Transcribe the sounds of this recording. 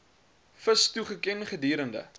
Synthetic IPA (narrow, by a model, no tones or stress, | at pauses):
fəstuχəkɛnχədiːɾəndə̰